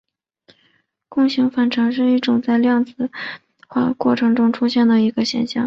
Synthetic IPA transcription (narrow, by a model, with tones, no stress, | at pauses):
kʊ˥˩ŋɕi˧˥ŋfa˨˩nʈ͡ʂʰɑ˧˥ŋʂ̬ɻ̩˥˧i˥˩ʈ͡ʂʊ˨˩ŋt͡sa˥˧ɪljɑ˥˧ŋt͡sɹ̩˨˩ | xwa̰˥kwɔ˥˩ʈ͡ʂʰɤ˧˥ŋʈ͡ʂʊ˥ŋʈ͡ʂʰu˥ɕjɛ˥˩nd̪ə˩i˧˥ɡə˧ɕjɛ̰˨˩nɕjɑ̰˥˩ŋ